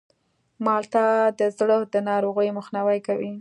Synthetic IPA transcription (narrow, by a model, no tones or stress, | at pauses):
mɑlt̪ad̪əzɽod̪ənɑɾoɣəjməxnawajkawi